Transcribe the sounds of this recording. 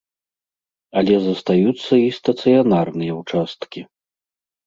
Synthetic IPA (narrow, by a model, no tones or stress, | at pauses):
ɐlʲɛzɐst̪ajut̪sːɐist̪ɐt̪sɨjanarnɨjɐwt͡ʂast̪kʲi